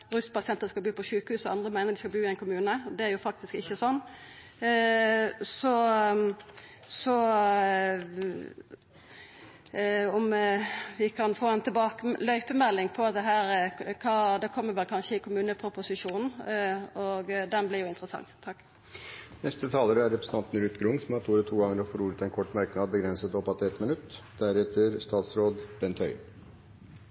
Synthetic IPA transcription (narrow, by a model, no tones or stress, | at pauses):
ɾʉst̪pʰɑsɪɛnt̪əskɑlbyːpɔʃʉːkəhʉːsɔɑnd̪ɾəmæɪnəɾd̪ɪskɑbyːɪæɪnkʰʊmʉːnəd̪ɛæɾjʊfɑk̚t̪ɪskɪçːəsɔnː | sɔ | sɔ | ɔmʋɪkʰɑnfoːɛnt̪ʰɪbɑːkəlœʏpəmɛlːɪŋpʰɔɑt̪d̪ɛɦæːɾkʰɑːd̪ɛkʰɔmːəɾʋɛlkʰɑnʃəɪkʰʊmʉːnəpʰɾʊpʊsɪʂuːnn̩ɔɡd̪ɛnblɪɾjʊɪnt̪ɾəsɑ̰ŋːt̪ʰɑkː | nɛst̪ət̪ʰɑːləɾəæɾɛpɾəsəɑnt̪nəɾʉːt̪ɡɾʊŋsɔmɑt̪ʰuːɾət̪ʰuːɡɑŋəɾɔfɔɾuːɾət̪ɛnkʰɔʈːmɑɾknɑːd̪̚bəɡɾɛnsət̪ɔpːɑt̪ɛt̪mɪnʉt̪ːd̪̥æɾɛt̪əɾst̪ɑːt̪sɾoːd̪b̥ɛnt̪ʰœʏ